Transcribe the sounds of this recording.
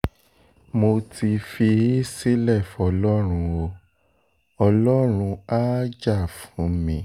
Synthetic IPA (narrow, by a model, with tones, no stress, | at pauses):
mo˧ti˧fi˧˦si˦lɛ˦˨fɔ˧lɔ˦ɾ̃ũ˧o˧ | ɔ˧lɔ˦ɾ̃ũ˧a˦d͡ʒa˦˨fũ˨˦mĩ˦